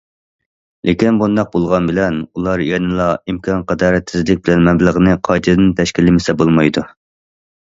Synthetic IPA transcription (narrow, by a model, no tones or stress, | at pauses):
lʔekʲinbund̪ɑq̚bolˠʁɑnbɪlɛnulˠɑɾjɛnɨlˠɑimkʰɑnqɑd̪ɑːɾɛt̪sɪzlɪk̚ʲbɪlɛnmɛmblˠəʁnɨqʰɑjt̪ʰɨd̪ɪnt̪ʰɛʃkʲilɪmɪsɛbolˠmɑjd̪u